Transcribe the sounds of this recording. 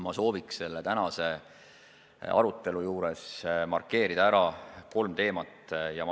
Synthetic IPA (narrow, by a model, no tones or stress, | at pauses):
mɑso̞ːvikse̞lːet̪ænɑse̞ | ɑ̰ɾut̪ˑːe̞lujuːɾe̞smɑ̰rkːe̞ːɾid̪̥ɑæɾɑko̞lmt̪e̞ːmɑt̪ːjɑ